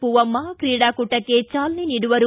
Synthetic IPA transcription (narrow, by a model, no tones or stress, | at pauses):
puʋɐmːakɾiːɽaːkuʈːɐkeːt͡ʃaːlniniɽuʋɐɾu